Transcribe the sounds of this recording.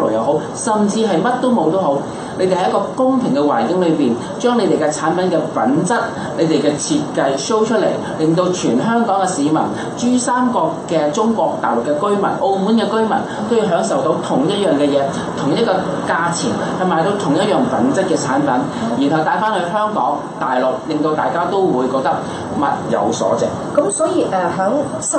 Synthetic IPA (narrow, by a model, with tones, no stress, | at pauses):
lʊ̰˨˩jɐ˨wɦo˨˥w | sɐ˨mt͡siː˧ɦɐ˨jmɐ˥t̚t̪o˥wmo˨˧wt̪o˥wɦo˨˥w | ne˨˧˥t̪e˨hɐ˦jkɔː˧kʊ˥ŋpʰɪ˨˩ŋkɛ˧waː˨˩nkɪ˨˥ŋlɵ˨˧ɥpiː˨˩n | t͡ʃœː˥ŋne˨˧jt̪e˨jkɛ˧t͡sʰaː˨˥npɐ˨˥nkɛː˧pɐ˨˥nt͡sɐ˥t̚ | le˨˧jt̪e˨jkɛː˧t͡sʰiː˧t̚kɐ˧jso˥wt͡ʃʰɵ˥t̚lḛ˨˩j | lɪ˨˩ŋt̪o˧wt͡ʃʰyː˨˩nɦœː˥ŋkɔː˨˥ŋɛ˧siː˨˧mɐ̰˨˩n | t͡ʃyː˥saː˥mkɔː˧kːɛː˧t͡sʊ˥ŋkʷɔː˧k̚t̪aː˨˩lʊ˨˩kːɛ˧kɵ˥ɥmɐ̰˨˩nʔo˧wmu˨˥nkɛː˧kɵ˥ɥmɐ̰˨˩n | t̪ʰo˥jiː˨˧ɦœː˨˥ŋsɐ˨wt̪o˨˥wt̪ʰʊ˨˩ŋjɐ˥t̚jœː˨ŋkɛː˧jɛː˨˧ | t̪ʰʊ˨˩ŋjɐ˥kɔː˧ | kaː˧t͡sʰḭ˨˩ŋ | hɐ˨jmaː˨jt̪o˨˧wt̪ʰʊ˨˩ŋjɐ˥t̚jœː˨˩ŋpɐ̰˨˥nt͡sɐ˥t̚kɛː˧t͡sʰa̰ː˨˥npɐ˨˥njiː˨˩nhɐ˨wt̪aː˨˥jfaː˥nhɵ˧ɦœː˥ŋkɔ̰ː˨˥ŋ | t̪aː˨jlʊ˨k̚lɪ˨ŋt̪o˧wt̪aː˨˩jkaː˥t̪o˥wwuː˨˧jkɔː˧k̚t̪ɐ˥k̚ | mɐ̰˨t̚jɐ̰˨˧wsɔ̰ː˨˥t͡sɪ̰˨˩k̚kɐ˨˥msɔː˨˥jiː˨˧ʔɛ˧ɦœː˨˥ŋ